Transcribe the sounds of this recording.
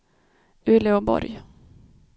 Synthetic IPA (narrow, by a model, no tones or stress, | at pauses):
ʉːlɪʊbɔ̰ɾj